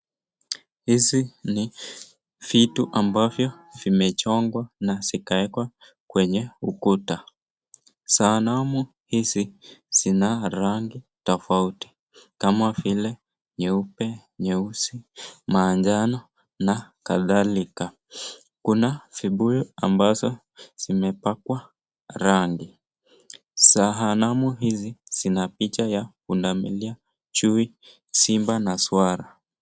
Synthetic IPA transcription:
hisini | fituʔambavjɔ | vimɛt͡ʃɔŋɡwanasikaɛkwa | kwɛɲɛukuta | saːnamu | hisiz̥inaɾaŋɡitɔfauti̥ | kamavilɛ | ɲɛupɛɲɛusimaːɲd͡ʒanɔ | nakaðalika | kunafiɓujɔa̰mbazɔ | z̥imɛpakwa | ɾaŋɡi | saɦanamuɦiziz̥inapit͡ʃajakundamḭlia | t͡ʃui | simbanaswaɾa

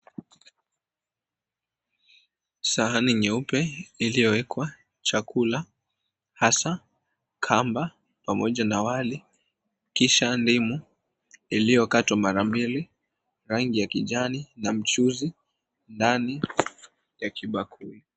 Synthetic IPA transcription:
saaniɲɛupɛilijɔwɛkwa | t͡ʃakula | hasa | kʰamba | pamɔʄanawali | kiʃandimu | ilijɔkatwamaɾambili | ɾaŋɡijakiʄaninam̩t͡ʃuzi | ndani | jakʰiɓakʰui

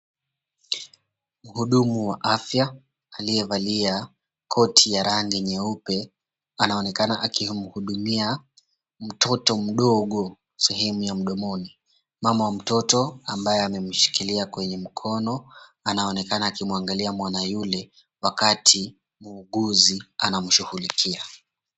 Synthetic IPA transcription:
m̩huɗumuwaʔafja | alijɛvalia | kʰɔtʰijaɾaŋɡɛɲɛupɛ | anaɔnɛkanaʔakim̩huɗumia | m̩tʰɔtɔm̩ɗɔɠɔ | sɛɦɛmujam̩ɗɔmɔni | mamawam̩tɔtɔambajɛamɛm̩ʃi̥kiliakwɛɲɛm̩kʰɔnɔ | anaɔnɛkanaːkimuaŋɡaliamwanajulɛ | wakatʰi | muːɠuzianam̩ʃuhulikʰia

